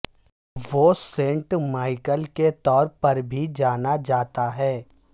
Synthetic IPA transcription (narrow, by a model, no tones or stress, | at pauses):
ʋoːsẽɳʈmaːɪkəlket̪ɔːɾpɐɾbʱid͡ʒaːnad͡ʒaːt̪aɦɛː